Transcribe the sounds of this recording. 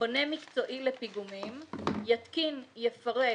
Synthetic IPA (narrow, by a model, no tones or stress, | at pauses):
onemikt͡so̞ʔilepiɡumimjat̪kinjefaʁe